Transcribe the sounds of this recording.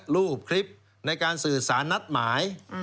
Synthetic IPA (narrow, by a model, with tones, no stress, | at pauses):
ɾuː˥˩p̚kʰɾi˦˥p̚ | na˧jkaː˧nsɯː˨˩saː˩˦nːa˦˥t̪̚maː˩˦j